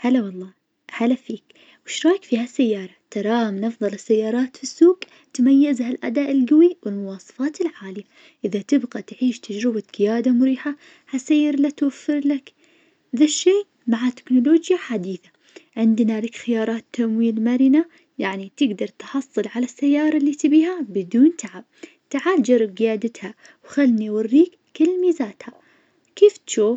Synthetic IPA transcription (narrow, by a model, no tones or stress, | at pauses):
halawɑlˤːɑː | halafiːk | wɪʃɾˤɑːkfiːhasːajːɑːɾˤɑt̪ɑɾˤɑːmnɑfðˤɑlɪsːajːɑːɾˤɑːt̪fisːuːɡ | t̪majːɪzhalʔa̰d̪aːʔɪlɡawiwɪlmʊwɑːsˤɑ̥fɑːt̪ɪlʕaːlɪja | ʔɪðat̪ɪbɣat̪ʕiːʃt̪ad͡ʒɾɪbaɡ̥ɪjaːd̪amʊɾiːħa | hasaːjɪɾlat̪wafːɪɾlak | ðaʃːeː | maʕat̪ɪ̥knʊloːd͡ʒjaħad̪iːθa | ʕɪnd̪nalakxɪjɑːɾˤɑːt̪ːamwiːlmaɾɪna | jaʕnit̪ɪɡd̪ɑɾˤt̪ħɑsˤːɨlʕalasːajːɑːɾˤɑlːit̪ɪbiːhabɪd̪uːnt̪ʰaʕab̚ | t̪aʕaːld͡ʒɑɾːɪb̚ɡɪjaːd̪ɪt̪ha | wxalːniwarːiːkːɪlːmiːzaːt̪ha | keːft̪ʃuːf